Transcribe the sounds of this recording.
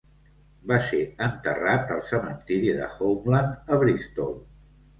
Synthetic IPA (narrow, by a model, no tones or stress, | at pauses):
baseənt̪ə̰rat̪əlˠsəmənt̪iɾiðə̰xowmlanəβɾist̪olˠ